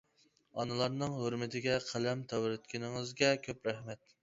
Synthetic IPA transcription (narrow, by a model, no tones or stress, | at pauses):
ɑnɨlˠɑɾnɨŋɦoɾmɪt̪ʰɪɡʲɛqʰælɛmt̪ʰɑwɾɨt̪̚kʲinɪŋɨzɡʲɛkʲʰøpɾæhmɛt̪